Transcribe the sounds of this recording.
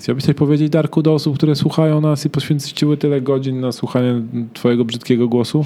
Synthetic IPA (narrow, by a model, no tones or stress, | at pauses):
xt͡ɕawabɘɕʲt͡ɕ̪t̪aɕʲpɔvʲjed͡ʑed͡ʑd̪aɾkud̪ɔɔsup̚kt̪uɾɛswuxajɔ̃w̃nasipɔɕfʲɛnt̪t͡ɕiwɘt̪ɘlɛɡɔd͡ʑinːaswuxaɲɛt̪fɔjɛɡɔbʐɘt̪̚kʲɛɡɔɡwɔsu